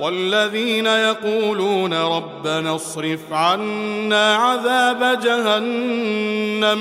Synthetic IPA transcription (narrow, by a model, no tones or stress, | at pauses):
walːaðiːnajɑquːluːnaɾˤɑbːanasˤɾɪfʕanːaːʕaðaːbad͡ʒaɦanː | am